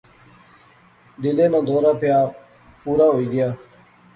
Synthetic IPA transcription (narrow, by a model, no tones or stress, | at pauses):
d̪ɪlẽːnãːd̪oːɾaːpɪjaː | puːɾaːɦoːiːɡɪjaː